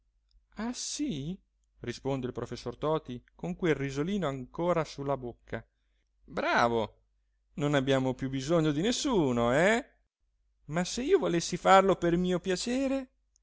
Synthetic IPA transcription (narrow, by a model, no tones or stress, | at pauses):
asi | rispond̪eilpɾofesːort̪ɔːt̪ikoŋkwelrizoliːnoaŋkoːɾasulːabokʰːa | bɾaːvo | nonabːjaːmopjubizoɲːod̪inesːuːnoɛ | masːeiːovolesːifarlopermiːopjat͡ʃeːɾe